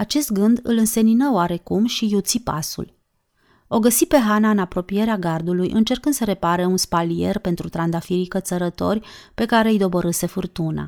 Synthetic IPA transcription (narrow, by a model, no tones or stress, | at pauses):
at͡ʃe̞st̪̚ɡɨnd̪ɨ̰lɨnse̞ninəoaɾe̞kumʃijut̪sipasṵl | o̞ɡəsipe̞ɦanaɨnapɾo̞pije̞ɾeaɡard̪ulujʔɨ̰nt͡ʃe̞rkɨnd̪̥səɾe̞paɾeunspalije̞rpe̞nt̪ɾut̪ɾand̪afiɾikət̪səɾət̪o̞̰rʲpe̞kaɾe̞ijd̪o̞boɾɨse̞furt̪una̰